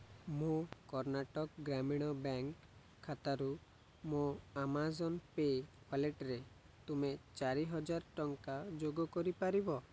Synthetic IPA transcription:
mokɔɾnaʈɔkɡɾamiɽ̃ɔbaŋkʰː | at̪aɾu | moamazɔnpekaleʈɾe | t̪umet͡ʃaɾiɦɔd͡ʒaɾʈɔŋkad͡ʒoɡɔkɔɾipaɾibɔ

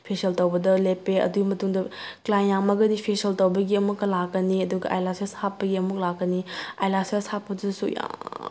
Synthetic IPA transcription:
pʰesɐltowbɐdɐlepːeɐ̰dumɐtuŋdɐklajnːaŋmɐɡɐdipʰesiɐltowbɐɡiɐmukːɐlakːɐniɐduɡɐʔa̰jlaseshapːɐɡiɐmuk̚lakːɐnia̰jlaseshapːɐdidɐsṵja̰ŋ

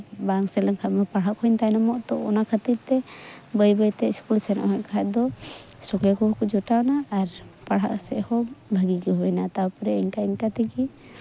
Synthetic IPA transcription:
baŋsɛləŋkʰat̪mɛpaɽɦaʔkʰɔnt̪ajnɔmɔʔt̪ɔɔnakʰət̪iɾt̪ɛ | bəjbəjt̪ɛskulsɛnɔ̰ʔɦɔkʰaɛʔ̪̚d̪ɔsɔkɛkɔɦkud͡ʒɔʈanaːɾpaɽ̤a̰ʔsɛ̰ʔhɔbʱəɡiɡiɦuɛnat̪aupɾɛiɲʈaiɲʈat̪iɡi

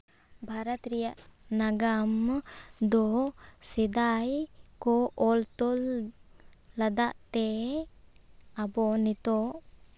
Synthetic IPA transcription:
bʱaɾat̪ɾijaʔnaɡamd̪ɔsid̪ajkɔɔlt̪ɔlː | ad̪aʔt̪ɛ | abɔnit̪ɔʔ

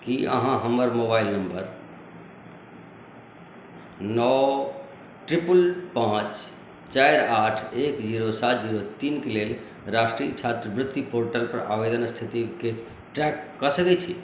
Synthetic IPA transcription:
kiə̰ɦãɦəməɾmoːbaːɪlnəmbəɾ | nɔ | ʈɾɪpulpãːt͡ʃ | t͡ʃajɾaːʈʰekd͡ʒiːɾosat̪̚ʰd͡ʒiːɾot̪iːnkelel | ɾaːsʈɾiət͡ʃʰat̪ɾəʋɾɪt̪ːipoɾʈəlpəɾa̰ːʋed̪ənst̪ʰit̪ike | ʈɾɛkːəsəkɛt͡ʃʰi

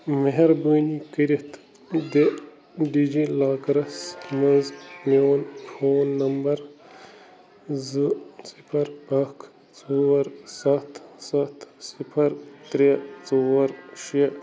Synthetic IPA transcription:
meɦeɾbəːnikəɾɐt̪ʰ | d̪e | ɖid͡ʒilaːkɐɾɐsmɐnzmoːnfʰoːnːɐmbɐɾ | zɨsipʰɐɾbɐkʰ | t͡sowɐɾsɐt̪ʰsɐt̪sipʰɐɾt̪ɾet͡sowɐɾʃi

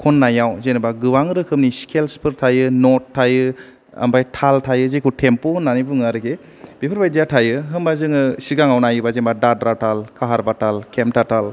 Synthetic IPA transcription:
kʰonːajawzenɯbaɡɯwaŋɾɯkʰɯmniskʰelspʰɯɾtʰajɯnɔtʰːajɯ | a̰mbajtʰaltʰajɯzekʰutʰempohɯnːanibɯŋaɾɯɡe | b̥ipʰɯɾbajdijatʰajɯɦɯmbazɯŋɯsiɡaŋawnajɯbazembadadɾatʰalkʰaɦaɾbatʰalkʰemtatʰal

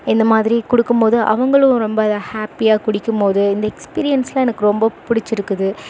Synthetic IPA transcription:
ɪnd̪ɐmaːðɪɾikʊɽɯkːɯmpoːðɯʔɐ̰ʋɐŋɡɐɭɯ̃ɾɔmbɐɐðahaːpːijaːkʊɽɪkːɯmpoːðɯɪnd̪ɐɛkspiːɾɪjɐnslɐ̃ɛnɐkːɯɾɔmbɐpʊɽɪt͡ʃːɪɾɯkːɯðɯ

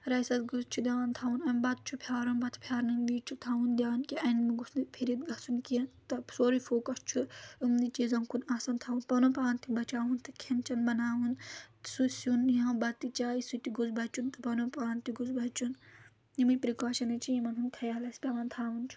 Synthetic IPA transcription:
ɾɐjsɐsɡuzt͡ʃʰud̪ʲaːnt̪ʰaːʋunɐmbɐt̪̚t͡ʃʰupʰjaːɾɐnbɐt̪ʰpʰjaːɾnɐnbiːt͡ʃʰut̪ʰaːʋund̪jaːnkiʔɐnmiɡusnipʰiɾit̪ɡɐsunkint̪ɐsoːɾifoːkɐst͡ʃʰuɨmnit͡ʃizɐmkunaːsɐnt̪ʰaːwunpɐnopaːnt̪ibɐt͡ʃaːʋunt̪ɨkʰent͡ʃɐnbɐnaːwunsusuniɦɐ̃bɐt̪ːit͡ʃaːisut̪iɡuzbɐt͡ʃunt̪ɨpɐnopaːnt̪iɡuzbɐt͡ʃun | nimupɾikaːʃɐnit͡ʃʰiimɐnɦunkʰɐjalɐsʲtʲɐʋant̪ʰaːʋunt͡ʃʰu̥

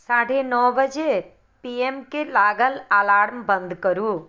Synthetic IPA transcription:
saːɽ̤enɔːbəd͡ʒe | piemkelaːɡəlaːlaːɽmbə̃nd̪kəɾuː

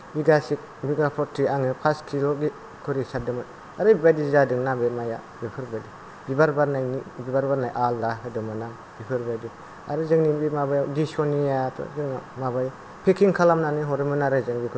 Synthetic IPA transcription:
biɡasik̚biɡapʰɔtʰːiaŋɯpʰaskʰilɔɡi | kʰɯɾisat̚dɯmɯ | aɾɯbibajdizadɯŋnabemaja̰ | bipʰɯɾbadi | bibaɾbaɾnajnibibaɾbaɾnajʔaldaɦɯdɯmɯnaŋ | bipʰɯɾbajdi | a̰ɾɯzɯŋnimbimabajawdisɔnijatʰɔ̰zɯŋnamabaj | pʰekʰiŋkʰalamnanɯɦɔɾimɯnaɾɯzɯŋbikʰ

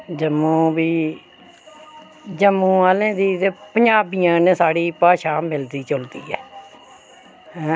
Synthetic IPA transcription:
d͡ʒəmũːbiː | d͡ʒəmːũːaːlẽːd̪iːt̪eːpəɲd͡ʒaːbiːãːnẽːsaːɽiːpaːʃaːmɪld̪iːt͡ʃʊld̪ḭːɛ̰ː | ɛ̃ː

